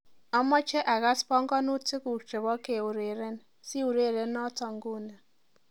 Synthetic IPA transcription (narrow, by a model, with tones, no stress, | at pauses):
ɔ˦mɔ˦t͡ʃe˦ʔa˨ɣa˦spɔ˦ŋ̩˦ɡɔ˦nu˦tɪ˦ku˨t͡ʃe˨βɔ˦ke˨u˨ɾe˨ɾe˦n˦ | si˦u˨ɾe˨ɾe˦n˦ɔ˦tɔ˨ŋ̩˨˦ɡu˦na˨